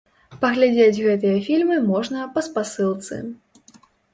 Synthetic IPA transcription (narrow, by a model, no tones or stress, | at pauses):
pɐɣlʲad͡zʲed͡zʲɣɛt̪ɨjɐfʲilʲmɨmɔʐnɐpɐspasɨlˠt̪sɨ̰